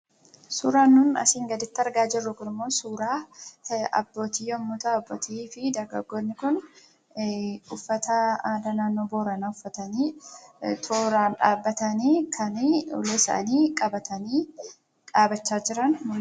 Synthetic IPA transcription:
suːɾaːnːʊnɐ̰siːŋɡɐd̪ɪt̪ːɐɾɡaːd͡ʒɪrːʊkʊnɪmːo̞ːsuːɾaː | ɐ̰bːo̞ːt̪iːɔmːʊt̪ɐɐbːoːt̪ʰiːfɪd̪ɐɾɡɐ̰ɡːoːnːɪkʊn | ʊfːɐt̪ɐaːd̪ɐnaːnːoːbo̞ːɾɐnaʊfːɐt̪ɐniː | t̪ʰoːɾaːnᶑaːbːɐt̪ɐniːkʰɐnio̰leɪsa̰ːniːkʼɐbɐt̪ɐniː | ᶑaːbɐt͡ʃːaːd͡ʒɪɾɐnmʊ

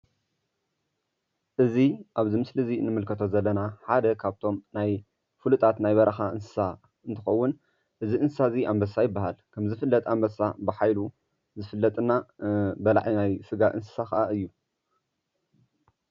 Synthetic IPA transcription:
ʔɨziʔaβzimɨslɨzinɨmɨlkʰɐt̪ʰo̞zɐlːɐnaħad̪ɐkʰaβt̪ʰo̞mnaj | fulut̪ʰʼat̪najβɐɾʔɐxaʔɨnsɨ̥sa | ʔɨnt̪ʰɨxɐwːʊn | ʔɨziɨnsɨsaziambɐsajɪbːaɦalkʰɐmzɨfɨlːɐt̪ʼambɐsabɨħajlu | zɨfɨlːɐt̪ʼɨnabɐla̰ʕinajsɨɡaʔɨnsɨ̥sakʰɐʔaʔɨjːu

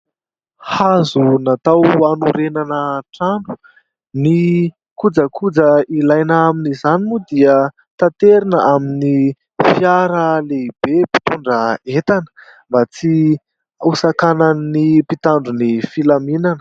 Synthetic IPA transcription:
hazunat̪awanuɾenanəʈ͡ʂaɳɖ͡ʐu̥ | ni | kud͡zəkʰud͡zəilajnaaminizanimud̪iə | t̪at̪eɾinəʔamini | fiaɾəleib̥epi̥t̪uɳɖ͡ʐəet̪anə̥ | mbat͡si | usakanannipit̪aɳɖ͡ʐunifilaminanə

